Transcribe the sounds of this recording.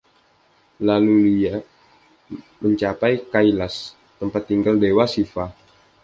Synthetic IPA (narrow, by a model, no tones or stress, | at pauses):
lalulia | məɲt͡ʃapajkailas | t̪əmpat̪ːiŋɡaldewasifa